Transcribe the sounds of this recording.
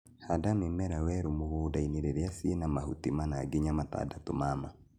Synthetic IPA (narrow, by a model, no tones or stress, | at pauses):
hadamemɛɾawɛɾomoɣoːdaineɾeɾeasiːnamahutimanaːɡeɲamata̰datomama